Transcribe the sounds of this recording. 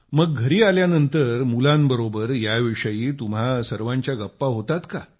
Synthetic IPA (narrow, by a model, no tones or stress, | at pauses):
məɡːʱəɾiːaljanənt̪əɾmulãmbəɾobəɾjaʋiʂəjiːt̪um̤asəɾʋãɲt͡ɕjaɡəpːaɦot̪at̪ka